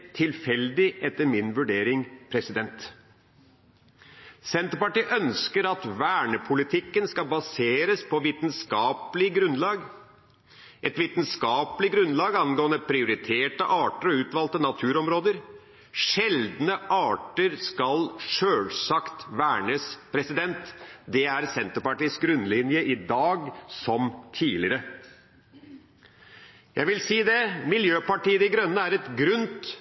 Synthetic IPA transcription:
t̪ʰɪlfɛld̪ɪʔɛt̪ːəɾmɪnʋʉɖeːɾɪŋpʰɾɛsɪd̪ɛnt̪ | sɛnt̪ɾəpɑʈiːʔœnskəɾɑt̪ʋæːɳəpʰʊlɪt̪ʰɪkːənskɑbɑseːɾəspʰɔʋiːt̪nskɑːpəlɪɡɾʉnlɑːɡ | ʔɛt̪ʋiːt̪nskɑːpəlɪɡɾʉnlɑːɡɑnɡoːənəpʰɾɪʊɾɪt̪ʰeːʈəʔɑːʈəɾɔʉːt̪ʋɑːlt̪ənɑt̪ʰʉːɾɔmɾoːd̪əɾ | ʂɛld̪nəʔɑːʈəɾskɑlʂøːlsɑkt̪ʋæːɳəspʰɾɛsɪd̪ɛnt̪d̪ɛæɾsɛnt̪əɾpɑʈiːsɡɾʉnd̪lɪnjəʔɪd̪ɑːɡsɔmt̪ʰiːlɪɾə | jæɪʋɪlsiːd̪ɛmɪljøːpɑʈiːəd̪ɪɡɾœnːəæɾɛt̪ɡɾʉnt̪

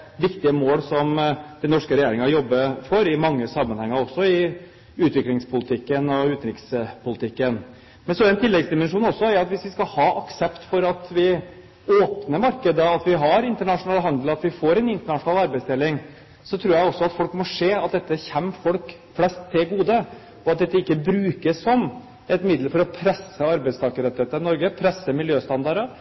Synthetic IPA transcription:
ʋɪkt̪ɪəmoːlsɔmd̪ɛnɔʂkəɾɛjeːɾɪŋəjɔbːəfɔɾɪmɑŋːəsɑmːənhɛŋːəɾɔsːɔɪ | ʉːt̪ʋɪklɪŋspʰʊlɪt̪ʰɪkːənɔʉːt̪nɾɪkspʊlɪt̪ʰɪkːən | mɛnsɔɾɛnt̪ʰɪlːɛɡsd̪ɪmɛnʂuːnɔsːɔæɾʊɑt̪ʋɪsʋɪskɑlhɑːʔɑksɛpt̪fɔɾɑt̪ʋɪ | oːpnəmɑɾkəd̪əɑt̪ʋɪɦɑɾɪnt̪əɳɑʂʊnɑːləɦɑnd̪l̩ɑt̪ʋɪfoːɾɛnɪnt̪əɳɑʂʊnɑːlɑɾbæɪst̪ʰeːlɪŋ | sɔt̪ʰɾuːjæɪɔsɔɑt̪fɔlkmɔʂeːɑt̪̚d̪ɛt̪ːəçɛnːfɔlk | flɛst̪ʰːɪɡuːd̪ə | ɔɑt̪̚d̪ɛt̪ːəɪkːəbɾʉːkəsːɔm | ɛt̪mɪd̪ləɾfɔɾɔpʰɾɛsːəɑɾbæɪst̪ʰɑːkəɾɛt̪ɪheːt̪əɾɪnɔɾɡəpʰɾɛsːəmɪljøːst̪ɑnd̪ɑɾə

